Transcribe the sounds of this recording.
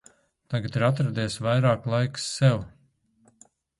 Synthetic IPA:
t̪aɡat̪iɾat̪̬ɾad̪eːsvajɾaːklˠajksːɛw

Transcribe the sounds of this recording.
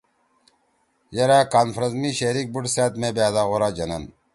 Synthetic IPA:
jɐɾaːkaːnfɾɐzmiɕeɾik̚buʈsaːt̪mẽbaːd̪aːɣoɾaːd͡ʑɐnɐn

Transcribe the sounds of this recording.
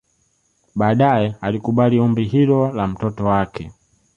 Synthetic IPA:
ɓaːɗajɛalikuɓaliɔmbiɦilɔlam̩tɔtɔwakɛ

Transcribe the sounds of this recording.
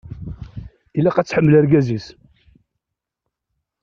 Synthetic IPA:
ilːæqæt͡sːħəmːəlæɾɡæzis

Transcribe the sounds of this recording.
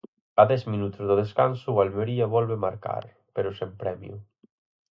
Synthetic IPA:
aðɛzminut̪uzðeðeskansualmeɾiaβɔlβemaɾka̰ɾ | peɾosempɾɛmjṵ

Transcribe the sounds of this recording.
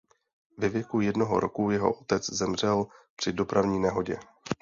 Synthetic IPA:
vɛvjɛkujɛdno̞ɦo̰ɾokujɛɦo̞̰ʔot̪ɛt͡szɛmr̝ɛlpr̝̥ɪdo̞pɾʔavɲiːnɛɦo̞ɟɛ

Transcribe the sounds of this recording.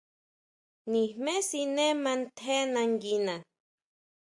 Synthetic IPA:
nihmesinemant̪ʰenaŋɡina

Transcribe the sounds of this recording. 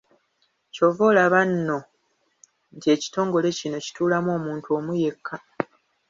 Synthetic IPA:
co̞vo̞laβanːo̞ | ntie̞ːci̥to̞ːŋɡo̞le̞cino̞ci̥tuːlamo̞ːmuːntuo̞ːmuje̞kʰːa

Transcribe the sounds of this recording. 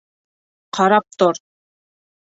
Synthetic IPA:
qʰɑɾɑp̚t̪ɔɾ

